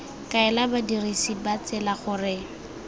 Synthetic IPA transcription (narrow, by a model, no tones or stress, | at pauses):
kʼaɛlabadirisibat͡sɪlaχʊrɪ